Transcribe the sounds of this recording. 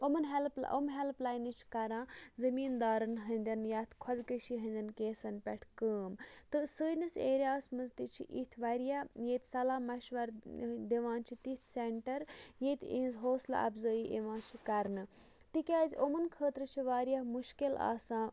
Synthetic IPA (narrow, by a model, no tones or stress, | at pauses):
omɐnɦelpl̰o̰mɦelplaːjnɨt͡ʃʰi̥kɐɾãːzɐmiːnd̪aːɾɐnɦɐnʲd̪ʲɐnjaːt̪ʰkʰɔd̪kəʃiɦɐ̃nʲd̪ʲɐnkeːsɐnpʲɛʈʰkəːmt̪ɨsəːnɐseːɾʲijaːsmɐzt̪it͡ʃʰḭʔḭt̪ʰʋaːɾijaːjet̪ʰsɐlaːmɐʃʋɐɾd̪eʋãːnt͡ʃʰit̪it̪ʰseɳʈɐɾjeːt̪ʰḛ̃ːnzɦoːsla̰ɐ̰bzəːiʔḛʋãːt͡ʃʰikɐɾnɨ | t̪ikʲaːzʲʔomɐnkʰəːt̪ɾɨt͡ʃʰiʋaːɾijamuʃkila̰ːsãː